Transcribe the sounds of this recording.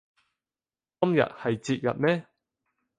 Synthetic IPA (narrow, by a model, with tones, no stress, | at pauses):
kɐ˥mjɐ̰˨t̚hɐ˨jt͡siː˧t̚jɐ̰˨t̚mɛː˥